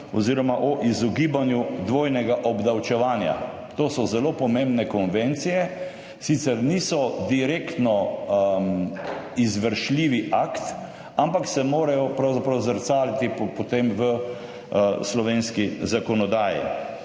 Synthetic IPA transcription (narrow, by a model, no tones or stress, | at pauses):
ɔziːɾɔmaʔɔʔizɔɡiːbanjud̪ʋoːjnɛɡaʔɔbd̪awt͡ʃɛʋaːnja̰ | t̪oːsɔzɛloːpɔmẽmbnɛkɔnʋent̪sijɛ | sit̪sɛɾniːsɔd̪iɾekt̪nɔ | izʋəɾʃliːʋiʔakt̪ | ampaksɛmoːɾajɔpɾawzapɾawzəɾt̪saːlit̪ippot̪emʋə | slɔʋenskizakɔnɔd̪aːjḭ